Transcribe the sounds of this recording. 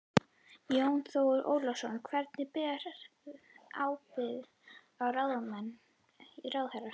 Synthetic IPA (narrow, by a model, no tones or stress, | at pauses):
jownθowʏɾʔo̰ːwlɔsɔnkʰvɛɾt̪nɪpɛːɾ | a̰ːwpɪð | awraðamɛnː | irawðhɛra